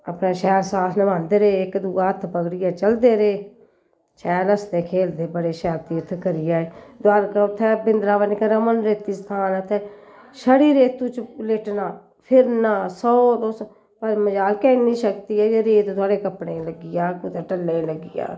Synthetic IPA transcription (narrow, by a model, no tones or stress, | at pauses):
əpnẽːʃɛːɾsaːt̪ʰnəbãːnd̪eːɾeːɪkd̪uːaːət̪ʰːpəɡɽɪjɛːt͡ʃəld̪eːɾeː | ʃɛːɾəst̪eːkʰeːld̪eːbəɽeːʃɛːɾt̪iːət̪ʰkəɾɪjaːed̪ʊaːɾkt̪ʰːɛːbɪnd̪ɾaːʋənkɾəmənɾeːt̪iːst̪ʰaːnət̪ʰɛː | ʃəɽiːɾeːt̪uːt͡ʃleʈnaː | pʰɪɾnaːsɔːt̪oːs | aːɾeməd͡ʒaːlkɛnĩːʃəkt̪iːɛːd͡ʒeɾeːt̪d̪ʊaːɽeːkəpɽeːləɡɪjaːkut̪eːʈəlːeləɡɪja̰ː